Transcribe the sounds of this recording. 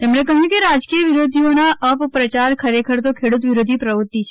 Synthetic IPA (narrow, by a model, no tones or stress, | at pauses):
t̪emɳekəɦjũkeɾad͡ʒkijəʋiɾod̪ʱionaʔəppɾət͡ʃaɾkʰəɾekʰəɾt̪̬okʰeɽut̪̬ʋiɾod̪ʱipɾəʋut̪ːit͡ʃʰe